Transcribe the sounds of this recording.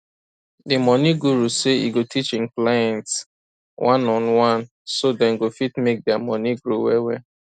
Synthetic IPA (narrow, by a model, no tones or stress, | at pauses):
dimɔniɡuɾuseḭɡotit͡ʃɪ̃ŋklajɛ̃nts | wʔãnɔnwãn | sodɛ̃nɡofitmek̚dɛamɔniɡɾowɛwɛ